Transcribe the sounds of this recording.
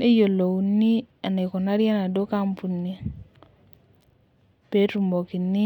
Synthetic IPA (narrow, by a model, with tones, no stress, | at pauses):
e˦jo˨lo˨wu˨nːi˦ | a˨ne˨kɔ˨na˦ɾja˦na˨do˦ka˦mpu˨nːi˦ | pe˦tu˨mbo˨ki˨nːi˦